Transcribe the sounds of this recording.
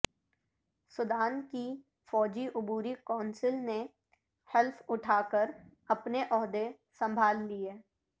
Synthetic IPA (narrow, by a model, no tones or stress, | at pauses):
sʊd̪aːnki | fɔːd͡ʒiʔʊbuːɾikɔːnsɪlne | hɛlfʊʈʰaːkəɾɐpneʔɔːɦd̪e | sɐ̃mbʱaːlːieː